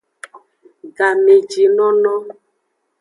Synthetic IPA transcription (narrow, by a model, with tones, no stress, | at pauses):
ɡa˨me˨d͡ʒi˨nɔ˦nɔ̃˦